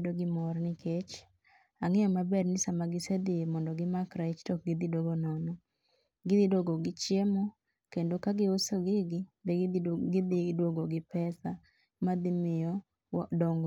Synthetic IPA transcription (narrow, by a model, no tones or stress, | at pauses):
doɡɪmɔɾnɪkʰet͡ʃ | aŋɪjɔmabɛrnɪsamaɡɪsed̪ɪemɔndɔɡɪmakɾait͡ʃtɔk̚ɡɪd̪idwoɡonɔnɔ | ɡɪd̪ɪdoɡoɡɪt͡ʃjemɔ | kendokaɡɪosoɡɪɡɪdɡɪd̪ɪdwoɡoɡɪpɛsa | mad̪ɪmɪjɔ | dɔŋɡ